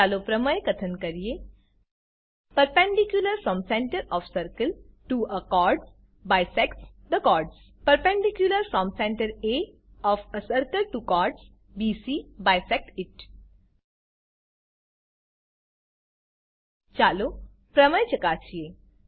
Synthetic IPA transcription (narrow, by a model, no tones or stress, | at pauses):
alopɾəməjkɐt̪ʰənkəɾje | pəɾpɛ̃ɳɖikjuləɾfɾɔmsɛ̃ɳʈəɾɔfsəɾkəlʈuəkɔɾɖs | bajsɛks | d̪əkɔɾɖs | pəɾpɛ̃ɳɖikjuləɾfɾɔmsɛ̃ɳʈəɾe | ɔːfəsəɾkəlʈukɔɾɖs | bisibajsɛk̚ʈiʈ | t͡ʃalo | pɾɐməjt͡ʃɐkasije